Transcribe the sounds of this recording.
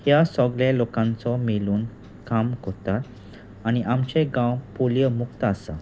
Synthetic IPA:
hjasɔɡlelokãnt͡sɔmiluːn | kamkot̪at̪ | añiʔamt͡ɕẽɡãwpuljəmukt̪əasa

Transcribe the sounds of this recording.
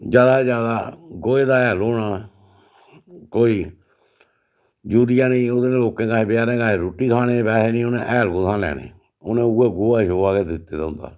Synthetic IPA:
d͡ʒaːd̪aːd͡ʒjaːd̪aːɡoːeːd̪aːɛːloːɽaː | koːiː | d͡ʒuːɾɪjãːnĩːod̪eːneːloːkẽːkaːɦeːbɪjaːɾẽːkaːɦeːɾoːʈiːkʰaːɽ̃eːbɛːɾeːnĩːʊnẽːʔɛːlɡoːt̪ʰãːlɛ̰ːɽ̃ḛː | ʊnẽːueːɡoːaːʃoːaːɡeːd̪ɪt̪ːeːd̪aʊ̃nd̪a̰ː

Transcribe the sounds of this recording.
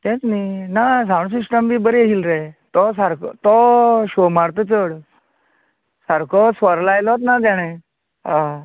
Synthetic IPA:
t̪ɛ̃t͡sninas̬aʋɳ̃s̬iʂʈəmʋiːbəɾeɦilɾet̪ɔsaɾkt̪ɔɕomaɾt̪ət͡səɽ | saɾkɔsʋəɾlajlɔɔt̪̬nat̪̬jaɽ̃ẽ | ɦã

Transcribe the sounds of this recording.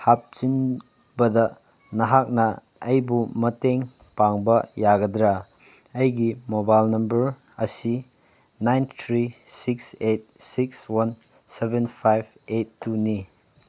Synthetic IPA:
hap̚t͡ʃin | bɐdɐ | nɐɦak̚nɐː | jbumɐteŋ | paŋbɐjaɡɐdɾa | ɐjɡimobajlnɐmbɐɾ | ɐsi | najnt̪ʰɾisikset̚sik̚swɐn | sebenpʰajb̚etːuni

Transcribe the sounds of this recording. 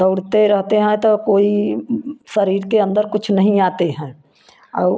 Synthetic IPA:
əʊɽ̤t̪eɾɐɦt̪eɦɛ̃t̪okoːi | səɾiːɾkeə̃nd̪əɾkʊt͡ʃʰnɐɦĩaːt̪eɦɛ̃ː | ɔː

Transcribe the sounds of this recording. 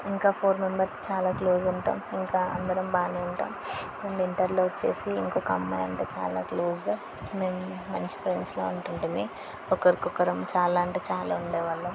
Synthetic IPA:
iŋkaːpʰoːɾme̞mbɐɾt͡ʃaːlaːkloːzuɳʈa̰ːmiŋkaːɐ̰nd̪ɐɾɐmbaːniːuɳʈa̰ːm | emiɳʈɐɾloːʋɐt͡ʃːḛːsiːŋkoːkɐmːɐjɐɳʈeːt͡ʃa̰ːla̰ːkloːz | meːmːɐɲt͡ʃi̥pʰɾe̞ɳɖsloːuɳʈuɳʈuni | ɔkɐɾikukːɐɾɐmt͡ʃaːlaːɐɳʈɐːt͡ʃaːla̰ːuɳɖɛːʋɐlːɐ

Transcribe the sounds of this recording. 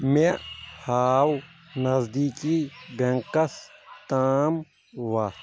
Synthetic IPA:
mẽhaːwnɐzd̪iːkiːbeŋkəst̪aːm | ʋaː

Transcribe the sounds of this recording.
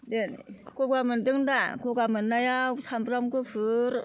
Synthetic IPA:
denkokamɯndɯŋdakokamɯnːajawsamɾamkɯfʰɯɾ

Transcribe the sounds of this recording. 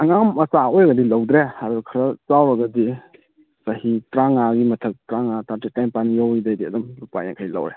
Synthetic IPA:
ɐŋamɐsaojɐɡɐdilɐwdɾehaɾukʰɐɾɐt͡ʃawɾɐɡɐdi | sahitɾaŋaɡimɐtʰək̚tɾaŋataɾtetajmpanjawdajdiɐdɐmlupa̰ja̰ŋkʰajla̰wɾe

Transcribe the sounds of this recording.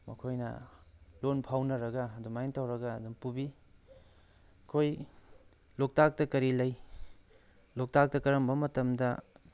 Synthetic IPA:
mɐ̰kʰojnɐ̰lonpʰawnɐɾɐɡɐːdumajntawɾɐɡɐːdumpubi | kʰoj | lok̚tak̚tɐkɐɾilɐj | lok̚tak̚tɐkɐɾɐmbɐmɐtɐmdɐ

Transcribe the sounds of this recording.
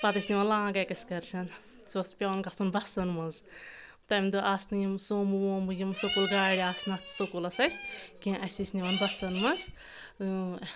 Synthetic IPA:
pɐt̪ɨsniʋɐnlãːɡɐkɐsʲkɐɾt͡ʃʰɐn | sospʲankɐsunbɐsɐnmɐz | t̪ɐmʲd̪uʔasnɨjimsoːmɨwoːmbɨjimsokulɡaːɽiasnɐt̪sokulɐsɐsʲkʲĩʔɐsʲisniʋɐnbɐsɐnmɐz

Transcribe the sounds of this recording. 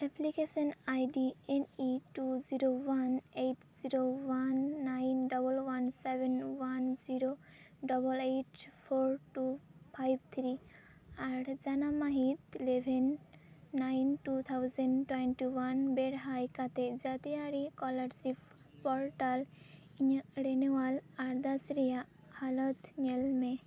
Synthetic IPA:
ɛplikesɔnajɖieniʈuziɾowanejʈziɾowanːajnɖɔbɔlwansebʱenwanziɾo | ɖɔbɔleʈpʰoɾʈupʰajb̚t̪ʰɾi | aɾd͡ʒanamaɦit̪lebʱenː | ajnʈut̪ʰawzənʈwenʈiwanbeɽɦajkat̪ed͡ʒat̪iaɾikɔlaɾsip | pɔɾʈal | iɲəɽenewalaɾd̪asɾija | halɔt̪ɲelme

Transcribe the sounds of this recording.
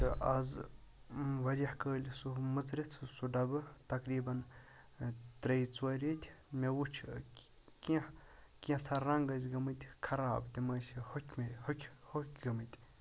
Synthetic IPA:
ɨɐz | ʋɐɾʲɐhkəːlʲisumɨt͡sɾet͡sʰɨsuɖɐbɨt̪ɐkɾiːbɐn | t̪ɾɐjt͡swɐɾʲet̪ʲmewut͡ʃʰʲ | kʲi | kʲĩt͡sʰaɾɐŋɡɐz̬ʲɡɐmɨt̪ʲkʰɐɾaːbt̪ʲimɐːsihokʲmehokʲhokʲɡɐmɨt̪ʲ

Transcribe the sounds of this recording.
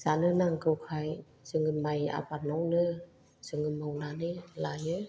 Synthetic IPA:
zanɯnaŋkɯwkʰaj | sɯŋɯmaja̰patnɔwnɯ | sɯŋɯmawnanɯlajɯ

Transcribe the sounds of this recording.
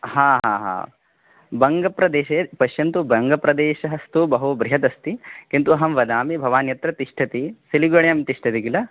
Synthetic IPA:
haːɦa̰ːɦa̰ː | bɐŋɡɐpɾɐd̪eːʃepɐʃjɐnt̪ubɐŋɡɐpɾɐd̪eːʃɐɦɐst̪ubɐɦubɾiɦɐt̪ɐst̪ikint̪uɐɦɐmʋɐd̪aːmibʱɐʋaːnjɐt̪ɾɐt̪iʂʈʰɐt̪isiliɡɐɳjɐmt̪iʂʈʰɐt̪iɡilɐ

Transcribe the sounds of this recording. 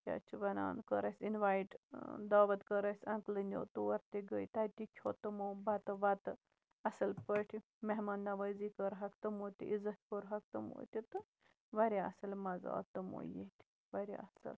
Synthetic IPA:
kʲɐ̰t͡ʃʰuʋɐna̰ːnkəɾɐsʲinʋaːjʈd̪aːʋɐt̪kəɾɐsʲɐ̃ŋklɨnʲo̰ːt̪uwɐɾt̪eɡəjt̪ɐt̪ikʲʰoːt̪ɐmoːbɐt̪ɨʋɐt̪ɨ | ɐsɐlpəʈʰi | meɦmɐnːɐʋɐzikəɾɦɐkt̪ɐmoːt̪ʲiʔizɐt̪pəɾɦɐk̚t̪ɐmo̰ːt̪ʲit̪ɨ | ʋɐɾʲiɐ̰sɐlmɐza̰ːt̪ɐmo̰jet̪ʲi̥ | ʋɐɾʲḭɐ̰sɐ̰l

